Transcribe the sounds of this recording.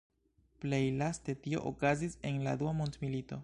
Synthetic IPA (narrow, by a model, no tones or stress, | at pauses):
ple̞jlaste̞tio̞̰ʔo̰kazise̞nla̰duamontmilito̞